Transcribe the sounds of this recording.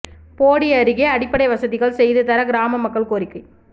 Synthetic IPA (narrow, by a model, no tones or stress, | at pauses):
poːɽɪɐɾɯɣeɐɽɪpːɐɽɐɪʋɐsɐðɪɣɐɭsɛjðɯt̪ɐɾɐɡɪɾaːmɐmɐkːɐɭkoːɾɪkːɯ